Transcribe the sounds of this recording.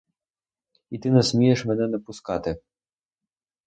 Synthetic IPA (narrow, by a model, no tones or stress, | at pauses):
it̪ɨnɛsʲmʲijɛʂmʲɛnɛnɐpuskɑt̪ɨ